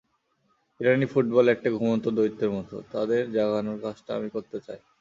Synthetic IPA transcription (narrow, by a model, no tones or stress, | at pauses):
iɾanifuʈ̚bɔlɛk̚ʈaɡʱumont̪od̪oit̪ːeɾmɔt̪o̰t̪ad̪eɾd͡ʑaɡanoɾkad͡ʑʈaa̰mikoɾt̪et͡ɕaj